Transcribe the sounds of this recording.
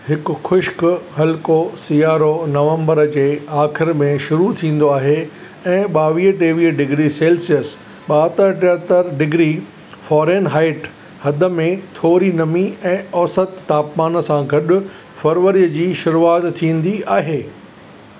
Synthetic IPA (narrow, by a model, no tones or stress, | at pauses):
hɪkʊ̆xʊʃkɦɐlkosijaːɾonɐʋə̃mbəɾd͡ʑeːaːxɪɾmẽʃʊɾut̪ʰĩːn̆d̪oaːɦe | ɛ̃ːɓaːʋiːɦʈeːʋiːɦəɖɪɡɾiseːlsijəs | ɓaːt̪əɾʈeɦt̪əɾɖɪɡɾi | fɔːɾeːnɦaːɪʈ | hɐd̪ə̆mẽt̪ʰoːɾinɐmiɛ̃ːɔːsət̪ːaːpmaːnsãɡɐɗʊ̆ | fɐɾʋəɾiəd͡ʑiːʃʊɾuaːzt̪ʰĩːn̆d̪iaːɦeː